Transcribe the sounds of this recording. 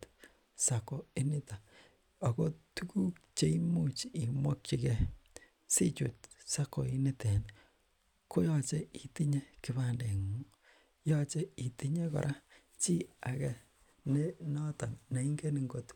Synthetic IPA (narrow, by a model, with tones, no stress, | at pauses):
t | sa˨kɔ˨i˦nɪ˦ta˨ | a˨ko˦tu˦ku˦k̚t͡ʃe˦i˦mu˦t͡ʃi˨mwɔ˦k̚t͡ʃi˨kɛ˨ | si˦t͡ʃṵ˨t̚sa˦kɔ˨i˦nɪ˦tɛ˨n | ko˦jɔ˦t͡ʃe˦i˨ti˦ɲe˦ki˨ba˨nde˨ŋu˦ | jɔ˦t͡ʃe˦i˨ti˦ɲe˦kɔ̰˨ɾʔa˦ | t͡ʃi˦a˨kɛ˨ | ne˦nɔ˦tɔ˨nna˨i˦ŋɡe˦ni˨ŋɡo˨t